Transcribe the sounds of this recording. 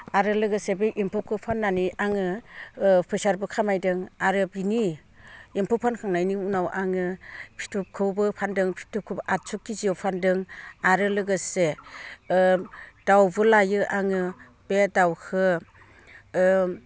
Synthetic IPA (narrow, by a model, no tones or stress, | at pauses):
aɾɯlɯɡɯsebeʔimpʰɔp̚kʰɯwpʰanːaniaŋɯ | pʰɯsaɾbɯkʰamajdɯŋaɾɯbini | impʰɔpʰankʰaŋnajniunawʔaŋɯpʰi̥tʰup̚kʰɯbɯpʰandɯŋpʰi̥tʰupkʰɯbɯʔat̚sʰukːizijowpʰandɯŋaɾɯlɯɡɯse | d̥awbɯlajɯʔaŋɯ | b̥edawkʰɯ